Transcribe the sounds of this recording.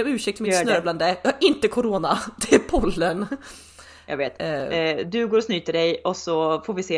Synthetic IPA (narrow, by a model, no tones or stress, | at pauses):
mʉ̟ːʂɛk̚t̪mɪtsnœɾbland̪əjɑːhaɾʔɪnt̪əkʰʊɾoːnad̪ɛæpʰɔlːən | jɑ̰ɡveːt̪d̪ɵɡoːɾɔsnyːt̪əɖɛjɔsɔfoːɾvɪseː